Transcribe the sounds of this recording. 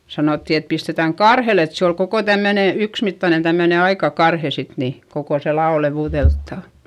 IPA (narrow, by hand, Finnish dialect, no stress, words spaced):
sɑnoˑtːi et pistetæŋ kɑrhel et se ol koko tæmːøne yksmitːɑnen̞ tæmːøne ɑikɑ kɑrhe sit ni kokoˑ se lɑo leʋuˑðeltːɑˑn̞